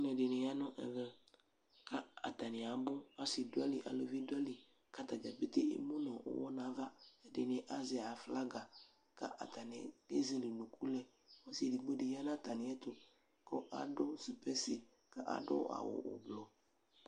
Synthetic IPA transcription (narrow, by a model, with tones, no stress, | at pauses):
nɛ̃˨dɪ˨nɪ̃˨ja˦nɔ̃˦ʔɛ̰˨vɛ˦ | ka˦a̰˨t̪a˨nɪ̃˨a˨bʊ˦a˦si˨dʊ˦ɛ˦li˨ʔa̰˨lo˨vi˦dʊ˦ɛ˦li˨ | ka˦t̪a˨d͡ʒa˨be˦t̪e˦ḛ˦mo˦nɔ̃˨ʔɔ̰˨wɔ̰˦nã˨˦va˦ɛ˨dɪ˨nɪ̃˨ʔa˦zɛ˨a˨fla˦ɡa˨ | ka̰˦ʔa̰˨t̪a˨nɪ̃˨e˦zi˦li˨nũ˨kʰu˦lɛ˦ | wɔ˦si˨di˨ɡ͡bo˦de˨ja˦nã˦˨t̪a˨nɪ̃˨˦ɛ˦t̪o˨ | kɔ˦ʔa̰˨dʊ˦si˨pɛ˦sɪ˨ | ka˦ʔa̰˨dɔ̰˦a̰˨wʊ̰˨ʊ̰˨blɔ˨